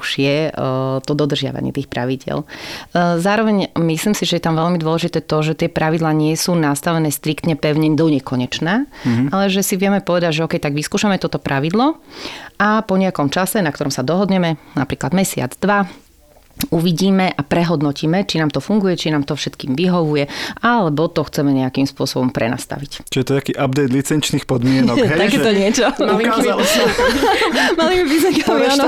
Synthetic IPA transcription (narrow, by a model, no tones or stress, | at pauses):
uʒ̥jɛt̪ɔd̪ɔd̪r̩ʒɪa̰ʋa̰ɲɪ̰t̪iːxpɾa̰ʋiɟɪɛ̰l | zaːɾɔʋɛɲmisliːmsiʒɛjɛt̪amʋɛʎmid̪ʊɔlɛʒit̪ɛːt̪ɔʒɛt̪ɪɛpɾaʋid̪laːɲɪɛsuːnast̪aʋɛnɛːst̪ɾikt̪ɲɛpɛʊɲɛɲd̪ɔɲɛkɔɲɛt͡ʃnaːalɛʒɛsiʋɪɛmɛpɔʋɛd̪aɟʒɛɔkɛjt̪aɡʋiskuːʃamɛt̪ɔt̪ɔpɾʔaʋid̪lɔʔapɔɲɛakɔmt͡ʃasɛnakt̪ɔɾɔmsad̪ɔɦɔd̪ɲɛmɛna̰pɾiːklad̪mɛsɪa̰d͡zd̪ʋa | uʋiɟiːmɛʔapɾɛɦɔd̪nɔciːmɛt͡ʃinaːmt̪ɔfuŋɡujɛt͡ʃinaːmt̪ɔfʃɛt̪kiːmʋiɦɔʋujɛalɛbɔt̪ɔxt͡sɛmɛɲɛakimspʊɔsɔbɔmpɾɛ̰na̰ːst̪a̰ʋict͡ʃiʒɛt̪ɔt̪akiːʔab̚d̪ɛɪt̪lit͡sɛnt͡ʃniːxpɔd̪mɪɛnɔɛt̪akɛt̪ɔɲɪɛt͡ʃɔmalial | malimipizakamianɔ